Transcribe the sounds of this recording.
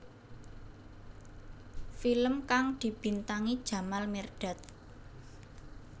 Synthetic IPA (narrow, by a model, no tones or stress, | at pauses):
filəmkaŋd̪̥i̤b̥i̤nt̪aŋid̥ʒ̥a̤malmerɖ̥a̤t̪̚